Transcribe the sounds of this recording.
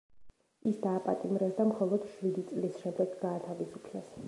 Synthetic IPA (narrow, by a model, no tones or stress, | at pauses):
isd̪aːpʼa̰t̪ʼimɾɛsd̪amχɔlˠɔd̪̥ʃwid̪it̪sʼlisʃɛmd̪ɛɡɡaːt̪ʰavisupʰlɛs